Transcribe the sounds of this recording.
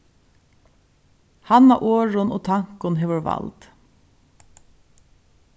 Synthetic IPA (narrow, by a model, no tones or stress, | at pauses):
hɑnɑ̰ʔoːɹʊnʔo̰ːt̪ʰɑŋkʊnheʋəɹʋɑ̰ld̪̥